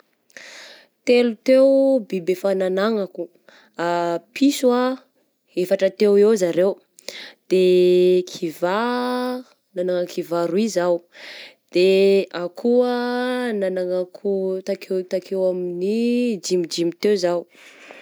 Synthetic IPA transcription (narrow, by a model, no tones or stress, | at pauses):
t̪elut̪ewbibefananaŋaku | apiswa | efaʈ͡ʂət̪ewewzaɾew | d̪̥ekʰiva | nanaŋakivaɾuizawd̪̥eakʰuənanaŋakʰut̪aket̪akʰewaminid͡ʒimid͡ʒimit̪ewzaw